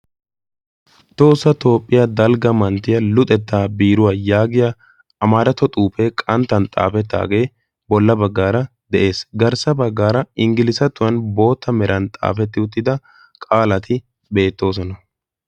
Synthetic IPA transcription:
t̪o̞ːsːɐt̪o̞ːpʼːɪjɐd̪ɐlɡɐmɐnt̪ɪjɐlʊt̪ʼɛt̪ːaːbiːɾʊwaːjaːɡɪjɐ | ɐmaːɾɐt̪ɔt̪ʼuːpeːkʼɐnt̪ːɐnt̪ʼa̰ːfɛt̪ːa̰ːɡe̞ː | bɔlːɐbɐɡːaːɾɐ | d̪ɛʔe̞ːsɡɐɾsɐbɐɡːaːɾɐɪŋɡɪlɪsɐt̪ːʊwɐnbo̞ːt̪ːɐmɛɾʔɐnt̪ʼa̰ːfɛt̪ːɪʊt̪ːɪd̪ɐ | kʼaːlɐt̪ʰɪ | be̞ːt̪ːo̞ːs̬ɔnɐ

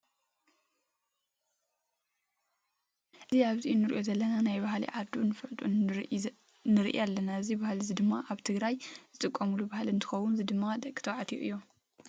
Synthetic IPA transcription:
ʔɨziaβziʔnɨɾiʔo̞zɐlːɐnanajbahlḭʕad̪unːɨfɐʕt̪ʼun | nɨɾḭʔj̰alːɐnaɨzibahlizid̪ɨmːaʔaβt̪ʰɨɡɾajz̥ɨt̪ʼɨkʼːɐmulubahalɨnt̪ʰɨ̥xɐwʊnzid̪ɨmːad̪ɐkʼːɨt̪ʰɐwʕat̪ʰijuʔɨjːo

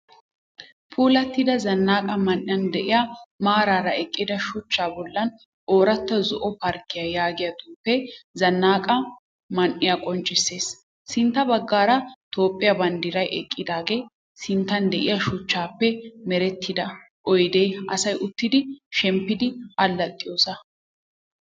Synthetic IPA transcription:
pʰuːlɐt̪ːɪd̪ɐzɐnːaːkʼɐmɐnʔɪjɐnd̪ɛʔɪjamaːɾaːɾɐɛkʼːɪd̪ɐʃʊt͡ʃːaːbɔlːɐn | ʔoːɾɐt̪ːɐzɔʔɔpɐɾkːɪjɐjaːɡɪjɐt̪uːpːɛzɐnːaːkʼɐ | mɐnʔːɪjakʼɔnt͡ʃʼɪsːe̞ːs | sɪnt̪ːɐbɐɡːaːɾɐt̪o̞ːpʼːɪjɐbɐnd̪iːɾɐjʔɛkʼːɪd̪aːɡeː | sɪnt̪ːɐnd̪ɛʔɪjɐʃʊt͡ʃːaːpːɛmɛɾɛt̪ʰːɪd̪ɐ | ʔɔjd̪eːɐsɐjʔʊt̪ːɪd̪ɪʃɛmpːɪd̪ɪɐlːɐt̪ʼːɪjo̞ːsɐ

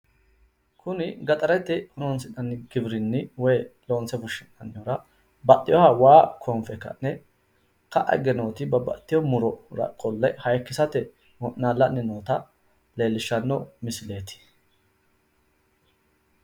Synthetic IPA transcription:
kʰʊnɪɡɐt̪ʼɐɾɛt̪ːɪhʊnonsɪᶑɐnːɪɡɪbɾɪnːɪwɔjlo̞ːnsɛfʊʃːɪnɐnːjɔɾɐ | bɐtʼːɪjɔhawaːkʰɔmfɛkːɐ̰nːɛ | kɐʔɐ̰ɡɛnoːt̪ɪbɐbɐ̰t̪ːɪjɔmʊɾɔɾɐ̰kʼːɔlːɐjhɐjkːɪsɐt̪ɛ | wɔʔnaːlːɐnːɪnoːt̪ɐ | le̞ːlːɪʃːɐnːɔmɪsɪle̞ːt̪ɪ̥

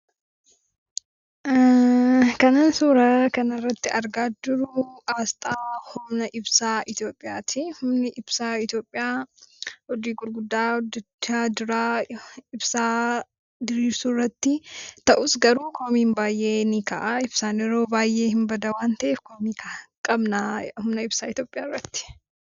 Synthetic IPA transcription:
kɐnaːnsuːɾɐkɐnɐrːɐt̪ːɪʔɐɾɡaːd͡ʒʊɾʊʔaːst̪ʼaːhʊmnɐʔɪbsaːʔɪt̪jo̞ːpʼːɪjaːt̪ʰɪhʊmnɪʔɪbsaːɪt̪jo̞ːpʼːɪjaː | hɔd͡ʒ̪iːɡʊɾɡʊd̪ːaːɔd̪ɛt͡ʃːaːd̪ʊɾaːɪbsaː | d̪ɪɾiːɾsʊrːɐt̪ːɪt̪ɐʔʊsɡɐɾuːkʰomiːnbaːjʔe̞ːnɪkɐ̰ʔɐɪbsaːnɪɾo̞ːbaːjʔe̞ːhɪmbɐd̪ɐwaːnt̪ɐʔeːfkomiːkʰakʼɐbnahʊmnɐɪbsaːɪt̪joːpʼɪjaːrːɐt̪ːɪ̥

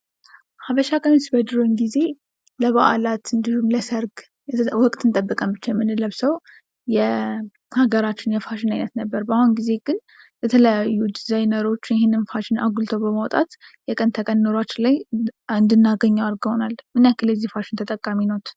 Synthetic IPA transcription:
haβəʃakʼənsbəd̪ɾonɡize̞ | ləβaʔa̰lat̪ɨnd̪ihumləsəɾɡ | jwɔkʼt̪ʰʼɨnt̪ʼəbːɨkʼəmbɨt͡ʃːajɛmːɨnɨləβsəw | jɛ | haɡəɾat͡ʃːɪnjɛfaʃɪnajnət̪nəbːəɾbahunɡize̞ɡɨn | bɛt̪ʰələjajːud̪izajnəɾo̞t͡ʃːjɛhenːɨnfaʃɪnaɡult̪ʰəwbəmawt̪ʼa̰t̪jɛkʼənt̪ʰəkʼənːɨɾat͡ʃːlajɨnd̪ɨnːaɡəɲːawaɾɡhonalmɨnjakʰːɨləzːihfaʃɪnt̪ʰət̪ʼəkʼːaminowt̪

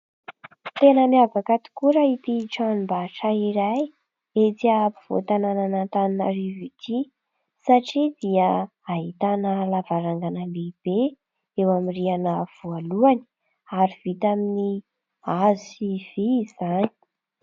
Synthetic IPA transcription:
t̪enəmiavakat̪u̥kuɾəit̪iʈ͡ʂanmbaʈ͡ʂaiɾaj | et͡siapiv̥o̰t̪anananant̪aninaɾivit̪ʰi | saʈ͡ʂid̪iə | aɦit̪anəlavaɾaŋɡanəleb̥e | ewamirianəv̥ualuani̥ | aɾiv̥it̪amini | azusiv̥izani̥

